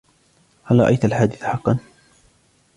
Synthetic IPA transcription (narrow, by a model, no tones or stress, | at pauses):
halɾˤɑ̰ʔa̰jt̪alħaːd̪ɪθħɑqːɑn